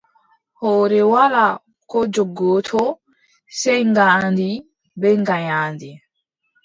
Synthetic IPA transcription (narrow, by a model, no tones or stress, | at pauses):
hɔːɾɛwala | kɔd͡ʒɔɡːɔːtʰɔ | sɛjŋɡaːndi | bɛŋɡaɲaːndi